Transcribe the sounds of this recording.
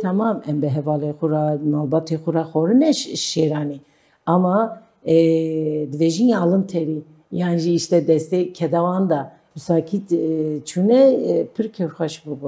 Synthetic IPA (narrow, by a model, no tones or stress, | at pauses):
t̪ʰɑmɑːmɛmbɨɦɛvɑːlexuɾɑmaːlbɑːt̪ʰexuɾaxoɾɨnɛʃʃeɾɑːni | ɑmɑ | d̪ɨveʒiniɑlɨnt̪ʰɛɾi | jɑːnʒiːʃt̪ɛd̪ɛst̪ekʰɛd̪awɑːnd̪ɑ | bɨsɑːkʰit̪t͡ʃʰunɛpʰɨɾkʰɛɾxʷɛʃbɨbu